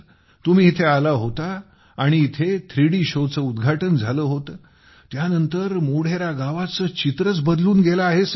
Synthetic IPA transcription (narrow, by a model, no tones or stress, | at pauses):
t̪um̤iːt̪ʰealaɦot̪aː | ɽ̃iːt̪ʰet̪ʰɾiɽiːɕot͡səud̪ɡʱaʈənd͡zʱaləɦot̪əː | janənt̪əɾmoɽ̤eɾaɡaʋat͡səːt͡ɕit̪ɾət͡sbəd̪luːnɡelaːɦes